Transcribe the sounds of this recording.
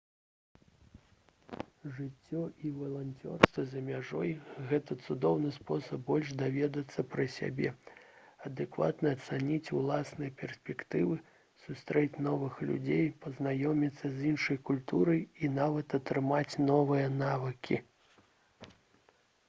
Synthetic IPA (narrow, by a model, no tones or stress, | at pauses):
ʐɨt͡sʲːɔʔivɐlˠanʲt͡sʲɔ̰rst̪vɐzʲɐmʲaʐɔjɣɛt̪ɐt̪sud̪ɔwnɨspɔsɐbːɔlʲʂd̪avʲɛd̪ɐt̪sːɐpɾɐsʲa̰bʲɛ̰ | ɐd̪ɛkva̰t̪nɐːt̪sanʲit͡sʲulˠasnɨjɐpʲɛrsʲpʲɛkt̪ɨvɨ | sust̪ɾɛt͡sʲnɔvɨxlʲṵd͡zʲejpɐznajɔmʲit̪sːɐzʲinʂɐjkulʲt̪uɾɐjinavɐt̪ɐt̪ɾɨmat͡sʲnɔvɨjɐnavɨkʲʰḭ